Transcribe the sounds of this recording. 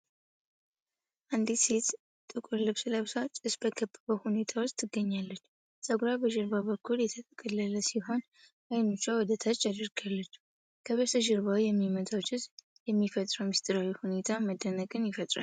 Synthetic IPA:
ʔand̪iset̪ | t̪ʼɨkʼuɾlɨβsɨləβsat͡ʃ̪ʼːɨsbəkʰəbːəβəhune̞t̪ʰawost̪ʰːɨɡːəɲːalːət͡ʃː | sʼəɡɾabəʃɨɾβaβəkʰːuljɛt̪ʰət̪ʼəkʼəlːələsiɦo̞n | ʔajnut͡ʃːawɔd̪ət̪ʰat͡ʃːad̪əɾɡalːət͡ʃː | kʰəβəsəʒɪɾβawijɛmːimət̪ʰʼawt͡ʃːɪs | jɛmːifət̪ʼɾəwmist̪ʼɨɾawihune̞t̪ʰaməd̪ːənəɡʼɨnjɪfət̪ʼɾa̰l

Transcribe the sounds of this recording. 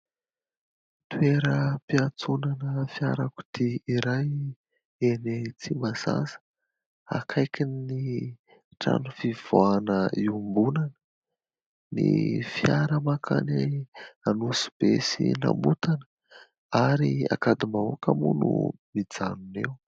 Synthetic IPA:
t̪ueɾəpiat͡sunanəfjaɾaku̥t̪iiɾaj | enet͡simaza̰zə̥ | a̰kʰajkʲinni | ʈ͡ʂa̰nufiv̥oanəiumbunanə | nḭfjaɾəmakʰanaanusi̥b̥esina̰mut̪anə̥ | aɾia̰kad̪imaokamunṵmid͡zanunḛw

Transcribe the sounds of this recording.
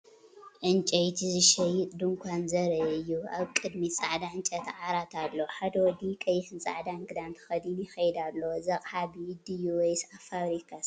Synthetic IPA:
ʔɨnt͡ʃʼɐjt̪ʰizɨʃɐjɪt̪ʼd̪ɨŋkʷʰanzɐɾɐjɨjːuaβkʼɨd̪mit͡sʼaʕd̪aɨnt͡ʃʼɐt̪ʰʕaɾat̪ʰalːoħad̪ɐwɔd̪ikʼɐjːɪħɨnt͡sʼa̰ʕd̪aŋɡɨd̪ant̪ʰɐ̥xɐd̪injɪxɐjd̪alːowzɐqʼħabid̪ijuwjsafaβɾikʰas

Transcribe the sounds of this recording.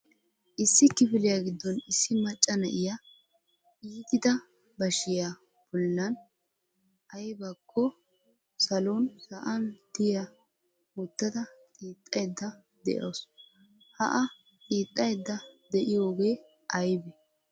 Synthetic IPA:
ʔɪsːɪkːɪfɪlɪjaɡɪd̪ːɔnɪsːɪmɐt͡ʃʼːɐnɐʔɪja | ʔiːt̪ɪd̪ɐ | bɐʃɪja | b̥ɔlːɐn | ʔɐjbɐkʰːɔ | sɐlonsɐʔɐnd̪̥ɪja | wɔt̪ːɐd̪ɐt̪ʼiːt̪ʼːɐjd̪ːɐ | d̪ɛ̰ʔo̰s | hɐ̰ʔɐ | t̪ʼiːt̪ʼːɐjd̪ːɐd̪ɛʔɪjo̞ːɡe̞ː | ʔɐjbɛ

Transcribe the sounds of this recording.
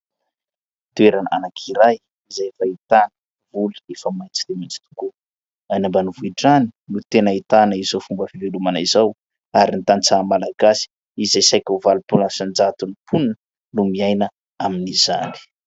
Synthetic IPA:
t̪uweɾanʔa̰nakʰiɾaj | izaefait̪anə | vuliefəmajt͡si̥t̪emit͡si̥t̪u̥ku | anambanivuiɖ͡ʐani̥nut̪enəit̪anəizowfumbəfivelumanizaw | aɾinit̪anit͡samalaɡasi̥ | izajsajkʲauvalupulnsand͡ʒat̪unipʰun | numiajnə | aminiz̥a̰ni̥

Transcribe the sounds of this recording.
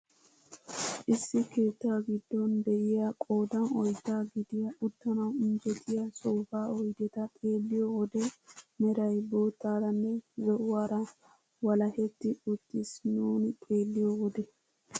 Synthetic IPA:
ʔɪsːɪke̞ːt̪ːaːɡɪd̪ːɔnd̪ɛʔɪjɐkʼo̞ːd̪ɐnɔjd̪ːaːɡɪd̪ɪjɐʔʊt̪ːɐnɐwɪnd͡ʒɛt̪ʰɪjɐsʼoːfaːɔjd̪ɛt̪ɐt̪ʼe̞ːlːɪjɔɔd̪ɛmɛɾɐjbo̞ːt̪ːaːɾɐnːɛzɔʔʊwaːɾɐ | wɐlɐhɛt̪ːɪʊt̪ːɪsnuːnɪt̪ʼe̞ːlːɪjɔɔd̪ɛ

